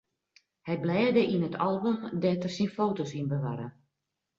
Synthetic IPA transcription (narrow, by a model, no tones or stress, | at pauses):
hɛjblɛːdəʔinətʰɑlˠbomdɛtərsinfoːtosinbəʋaɾə̰